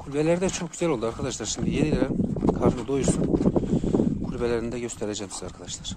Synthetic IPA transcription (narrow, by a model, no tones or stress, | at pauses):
kʰulʲbelʲeɾid̪ɛt͡ʃʰok̚ɟyzælʲolˠd̪uaɾkʰad̪aʃlˠaɾʃimd̪ijenilʲeɾɛkʰaɾnɯd̪o̞juɾsun | kʰulʲbelʲeɾind̪ɛɟø̞st̪ʰeɾed͡ʒɛmsizaɾkʰad̪aʃlˠaɾ̥